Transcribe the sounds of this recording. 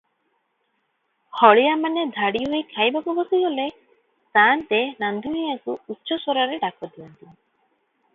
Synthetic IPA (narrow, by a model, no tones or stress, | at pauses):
hɔɭijamaned̪ʱaɽiɦojkʰajbakubɔsiɡɔle | t̪ant̪enand̪ʱunijakuutːʃɔsoɾaɾeɖakɔd̪iɔnt̪i